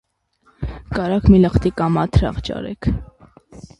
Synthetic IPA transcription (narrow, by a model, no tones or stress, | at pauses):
kɑɾɑkʰmiləχt̪ikɑmɑt̪ʰɾɑ̰ʁt͡ʃɑ̰ɾɛ̰kʰ